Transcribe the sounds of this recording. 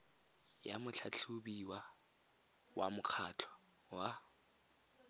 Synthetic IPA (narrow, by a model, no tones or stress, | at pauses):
jamʊt͡ɬʰat͡ɬʰubiwa | wʔamʊq͡χʰat͡ɬʰɔ̥ | wa